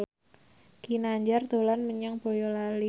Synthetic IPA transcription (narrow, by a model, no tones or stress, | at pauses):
kinaɲd͡ʒard̪o̤lanməɲaŋb̥o̤jɔlali